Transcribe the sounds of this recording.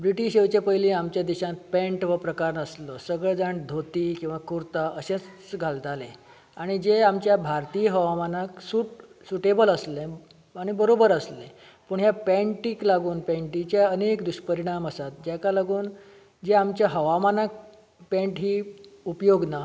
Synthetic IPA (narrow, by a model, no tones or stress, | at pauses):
bɾiʈiɕewt͡ɕepəjlĩamt͡ɕjad̪iɕãt̪pɛ̃ɳʈʋəpɾəkaɾnəslosəɡɭed͡zaɳd̪ʱot̪iːkĩw̃ʋakuɾt̪aʔəɕẽt͡st͡sɡʱald͡z̪ʱalẽ | aɽ̃id͡ʑeamt͡ɕjabʱaɾt̪ijəɦəʋamanaksuʈ | suʈebələslẽ | aɽ̃ibəɾobəɾəsle | pəɳɦjapɛ̃ɳʈiːklaɡuːnpɛ̃ɳʈit͡ɕjaənekd̪uɕpəɾiɽ̃aməsat̪̚d͡ʑakalaɡuːn | d͡zeamt͡ɕjaɦəʋamanak̚ | pɛ̃ɳʈɦiːupjoɡna